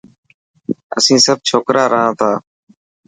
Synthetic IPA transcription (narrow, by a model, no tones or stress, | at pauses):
ə̰sĩːsəb̚t͡ʃʰoːkɾʔaːɾəɦãːt̪ʰaː